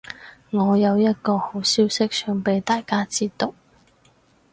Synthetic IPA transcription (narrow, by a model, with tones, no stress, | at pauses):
ŋɔː˨˧jɐ˨˧wjɐ˥t̚kɔː˧ho˨˥wsiː˥wsɪ˥k̚sœ˥ŋpe˨˥jt̪aː˨˩jkaː˥t͡siː˥t̪ʊ˥k̚